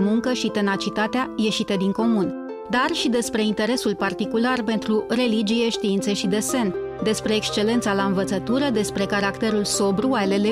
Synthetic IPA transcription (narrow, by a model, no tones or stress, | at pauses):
muŋkəʃit̪e̞nat͡ʃit̪at̪eaje̞ʃit̪ed̪iŋko̞mun | d̪arʃid̪e̞spɾe̞int̪e̞ɾe̞sulpart̪ikularpe̞nt̪ɾuɾe̞lid͡ʒije̞ʃt̪iint̪seʃid̪e̞se̞n | d̪e̞spɾe̞ːkst͡ʃe̞le̞nt̪salaɨnvət̪sət̪uɾəd̪e̞spɾe̞kaɾakt̪e̞ɾulso̞bɾualele